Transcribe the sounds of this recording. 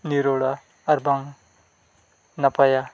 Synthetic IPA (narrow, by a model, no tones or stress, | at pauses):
niɾoɽʌ | ʌrbʌŋ | nʌpʌja